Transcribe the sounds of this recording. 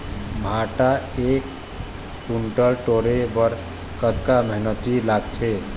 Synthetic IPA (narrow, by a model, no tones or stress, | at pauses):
bʱaʈaekː | uɳʈəlʈoɾebəɾ | kət̪kaməɦinət̪ilaɡt͡ʃʰe